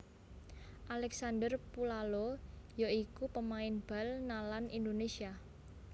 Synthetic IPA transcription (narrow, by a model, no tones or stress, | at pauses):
ʔalɛksandərpulalojoikupəmaɪnb̥a̤lnalanind̪onesia